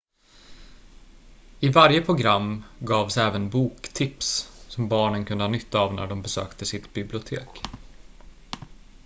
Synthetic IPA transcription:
ɪvaɾjəpʰɾʊɡɾamːɡɑːvsɛːvənbuːkt̪ʰɪpssɔmbɑːɳənkʰɵnd̪əhɑːnʏt̪ʰːaːvnæ̰ɖɔmbɛsø̰ːkt̪əsɪt̪bɪblɪʊt̪ʰḛːk

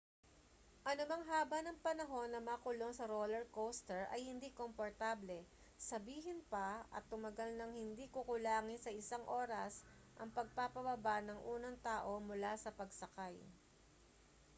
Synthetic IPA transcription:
ʔɐnʊmɐŋɦaːbɐnɐŋpɐnɐɦo̞nːɐmakʊlo̞ŋsɐɾolɛɹkowst̪ɛɹʔɐ̰jhɪnd̪ikompoɹt̪aːblɛ | sɐbiːɦɪnpɐʔɐ̰t̪ːʊmɐɡalnɐŋhɪnd̪ikʊkʊlaːŋɪnsɐʔɪsaŋʔo̞ːɾɐs | ʔɐŋpɐɡ̚papɐbɐbaʔnɐŋʔuːnɐŋt̪aːʔo̞mʊlasɐpɐɡsɐkaj

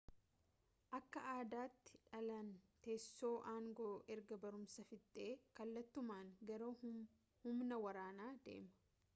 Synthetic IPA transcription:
ʔɐkːɐʔaːd̪aːt̪ːɪ̥ᶑɐlɐnt̪eːsːo̞ːʔaːŋɡo̞ːʔɛɾɡɐbɐɾʊmsɐfɪt̪ʼːe̞ːkɐlːɐt̪ːʊmaːŋɡɐɾoː | hʊmnɐwɐɾaːnaːd̪e̞̰ːmɐ̥

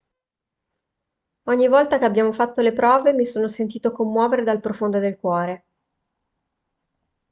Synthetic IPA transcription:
ɔɲːivɔlt̪akeabjaːmofat̪ːolepɾɔːvemisoːnosent̪iːt̪okomːwɔːveɾed̪alpɾofond̪od̪elkwɔːɾe

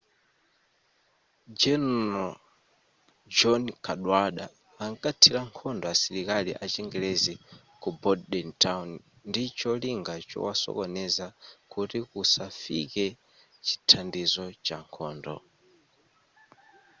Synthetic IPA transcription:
d͡ʒɛnɔ | d͡ʒɔnkʰaɗwaɗaː | ŋkatʰilaŋkʰɔndɔasiɾikaliʔat͡ʃɛŋɡɛlɛzi | kubɔdɗɛntawn | ndit͡ʃɔliŋɡat͡ʃɔ̰wasɔ̰kɔnɛzakutikusafḭkɛ | t͡ʃi̥tʰandizɔt͡ʃaŋkʰɔːndɔ̰

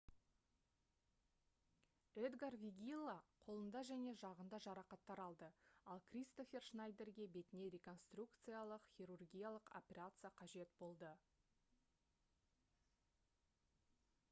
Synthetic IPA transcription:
ed̪ɡarvʲiɡʲilˠːaqʰo̞lˠənd̪ɑʒæne̞ʒɑʁənd̪ɑʒɑɾɑqɑt̪ːɑɾɑlˠd̪əɑlˠkrʲist̪o̞fʲe̞rʃnajd̪e̞rɡʲe̞be̞t̪ɪne̞ɾʲe̞ko̞nst̪rukt̪sɨjalˠəqχʲiɾurɡʲijalˠəqo̞pʲe̞ɾat̪sɨjaqʰɑʒe̞t̪bo̞lˠd̪ə

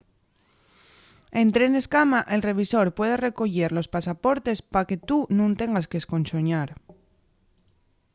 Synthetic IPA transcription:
e̞nt̪ɾe̞ne̞skamaʔe̞lre̞β̞iso̞ɾpwe̞ðe̞re̞ko̞ʝe̞ɾlo̞spasapo̞ɾt̪e̞spake̞t̪unũnt̪e̞ŋɡaskesko̞nso̞ɲaɾ

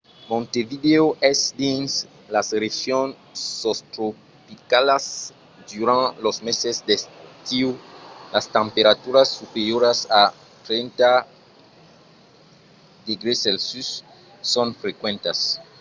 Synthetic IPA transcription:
mõnt̪evid̪eoʔɛsd̪ĩns | lasɾesjõn | sost̪ɾo | pikalas | d̪uɾãnlosmesezd̪est̪ɾukt̪iwlast̪ẽmpeɾat̪uɾasːupeɾjoɾasa | t̪ɾẽnt̪a | d̪eɡɾeselsysː | õnfɾekwẽnt̪as

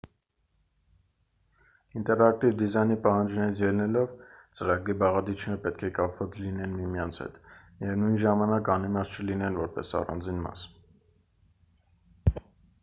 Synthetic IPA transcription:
int̪ɛɾɑk̚t̪ivd̪izɑjnipɑhɑnd͡ʒnɛɾit͡sʰjɛlnɛlɔvt͡səɾɑɡɾibɑʁɑd̪it͡ʃʰnɛɾpɛt̪̚kʰɛkɑpvɑt͡sʰlinɛnmimjɑnt͡sʰhɛ̰t̪ | jɛvnujnʒɑmɑnɑkɑnimɑst͡ʃʰəlinɛnvɔɾpɛ̰sɑ̰rɑ̰nd͡zinmɑ̰s

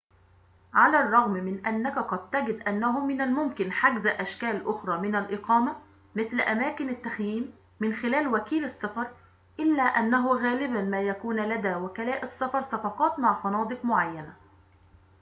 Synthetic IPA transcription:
ʕalærˤːɑɣmmɪnʔænːækaqɑd̪̚t̪æɡɪd̪ʔænːæɦʊmɪnalmʊmkɪnħaɡzʔæʃkæːlʔʊxɾˤɑːmɪnælʔɪqɑːma | mɪθlʔæmæːkɪnɪt̪ːæxjiːmː | ɪnxɪlæːlwækiːlɑsˤːɑfɑɾˤ | ʔɪlːæːʔænːæɦʊɣæːlɪbænmæːjækuːnlæd̪æːwækælæːʔɑsːɑfɑɾˤsɑfɑqɑːt̪maʕfɑnɑːd̪ˤɨqmʊʕajːæna

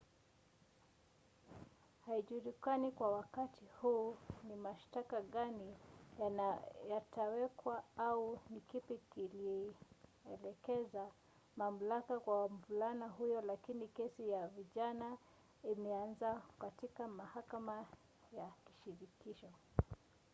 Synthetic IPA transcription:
haiʄuɾikanikwawakatʰihuːnimaʃtakaɠanijjatʰawɛkwaaunikipikili | ɛlɛkɛza | mam̩lakakwamvulanaɦujɔlakinikɛsijaviʄana | imɛanzakatikamahakama | jaki̥ʃiɾikiʃɔ

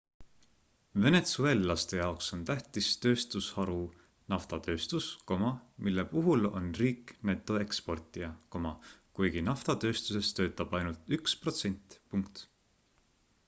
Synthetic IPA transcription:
ve̞ne̞t̪sue̞lːɑst̪e̞jɑokso̞nt̪æht̪ist̪ø̞ːst̪ushɑɾu | nɑft̪ɑt̪ø̞ːst̪usko̞mɑmilːe̞puɦulo̞̰nriːkme̞t̪ːˑo̞e̞kspo̞rt̪ʲˑiɑko̞mɑkujɡ̥inɑft̪ɑt̪ø̞ːst̪use̞st̪ø̞ːt̪ːˑɑb̥ɑjnult̪ykspro̞t̪se̞nʲt̪puŋkt̪

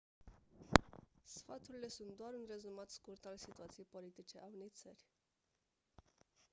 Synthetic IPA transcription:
sfat̪uɾile̞sunt̪̚d̪oaɾunre̞zumat̪skurt̪alsit̪uat̪sijejpo̞lit̪it͡ʃe̞ʔaunejt̪sərʲ

